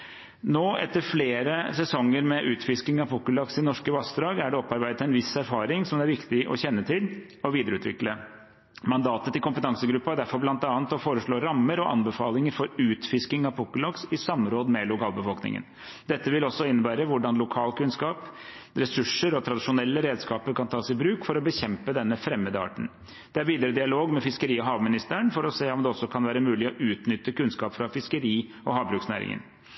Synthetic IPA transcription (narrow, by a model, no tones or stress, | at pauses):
noːʔɛ̰t̪ːəɾfleːɾəsɛsɔŋːəɾmɛʔʉːt̪fɪskɪŋɑpʰʊkːəlɑksɪnɔʂkəʋɑsd̪ɾɑːɡæɖɛɔpːɑɾbæɪd̪ət̪æɪnʋɪsæɾfɑːɾɪŋsɔmd̪æɾʋɪkt̪ɪʔɔ̰çɛnːət̪ʰɪl | ɔʋiːd̪əɾʉːt̪ʋɪ̰klə | mɑnd̪ɑːt̪ət̪ɪlkʊmpət̪ʰɑŋsəɡɾʉpːɑæɖæɾfɔɾblɑnt̪ɑːnt̪ɔfoːɾəʂɭoːɾɑmːəɾɔʔɑ̰nbəfɑːlɪŋəɾfɔɾʉːt̪fɪskɪŋɑpʰʊkəlɑksɪsɑmːɾoːd̪əmɛlʊkʰɑːlbəfɔlknɪ̰ŋə̰n | d̪ɛt̪ːəʋɪlɔsɔɪnːəbæːɾəʋʊɖɑnlʊkʰɑːlkʉnskɑːp | ɾɛsʉʂːəɾɔt̪ʰɾɑd̪ɪʂʊnɛlːəɾeːd̪skɑːpəɾkɑnt̪ʰɑːsɪbɾʉːkfɔɾɔbəçɛmpəd̪ɛnːəfɾɛmːəd̪əɑ̰ːʈɳ̩ | d̪̥ɛæɾʋiːd̪əɾəd̪ɪɑloːɡmɛfɪskəɾiːɔɦɑːʋmɪnɪst̪əəɳfɔɾɔseːɔmd̪ɛɔsːɔkʰɑnʋæːɾəmʉːlɪɔʔʉːt̪nʏt̪ːəkʉnskɑːpfɾɑfɪskəɾiː | ɔɦɑːʋbɾʉːksnæ̰ːɾɪ̰ŋə̰n